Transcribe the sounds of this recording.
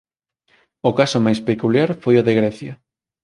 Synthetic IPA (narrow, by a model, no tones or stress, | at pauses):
ʊkasʊmajspekuljaɾfojoðeɣɾɛθjɐ